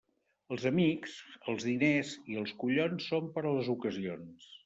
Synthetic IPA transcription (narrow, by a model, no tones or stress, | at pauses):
əlˠzəmiksəlˠzðineziəlˠskuʎonsːompəɾələzukəzions